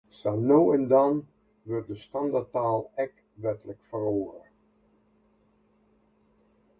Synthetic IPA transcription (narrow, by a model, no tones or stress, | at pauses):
sanowɛndɑn | ʋørt̚dəstɑndataːlˠɛk | ʋɛtələkfəroːə̰r